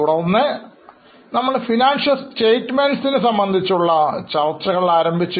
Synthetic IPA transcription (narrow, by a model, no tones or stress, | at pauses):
uɽɐnːɨ | nɐmːɐɭfinaːnʂɐlsʈe̞ːjʈːmenɖsinɨsɐmbɐnd̪ʱit͡ɕːuɭːɐt͡ɕɐrt͡ɕrɐɣɐɭlaːɾɐmbʱit͡ɕːɨ